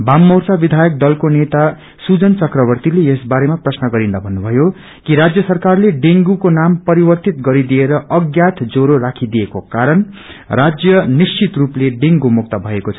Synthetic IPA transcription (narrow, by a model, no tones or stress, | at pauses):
bamːʌwrsabid̪ʱajʌk̚d̪ʌlkonet̪a | sud͡zʌnt͡sʌkrʌβʌrt̪ileesbaɾemaprʌsnʌɡʌɾind̪abʱʌnːubʱʌjo | kiɾad͡zjʌsʌrkarleɖeŋɡukonampʌɾibʌrt̪it̪̚ɡʌɾid̪ieɾʌʔʌɡjat̪ʰd͡zoɾoɾakʰid̪ijekokaɾʌn | rad͡zjʌnist͡sit̪rupleɖeŋɡumuk̚t̪ʌbʱʌekot͡sʰʌ̥